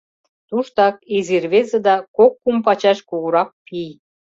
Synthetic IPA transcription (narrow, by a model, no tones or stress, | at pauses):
t̪uʃt̪ɑkezirβezĕd̪ɑkokːumpɑt͡ɕɑʃkuɣuɾɑk̚pij